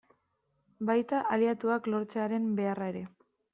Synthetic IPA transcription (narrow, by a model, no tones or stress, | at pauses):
bajt̪aʔaliat̪uaklo̞ɾt͡seaɾe̞mbe̞arae̞ɾe̞